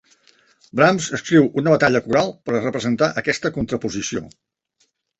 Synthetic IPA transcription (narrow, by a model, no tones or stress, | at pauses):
bɾamzəskɾiwunəβət̪aʎəkuɾalˠpəɾrəpɾəzənt̪aʔəkɛst̪əkunt̪ɾəpuzisio̰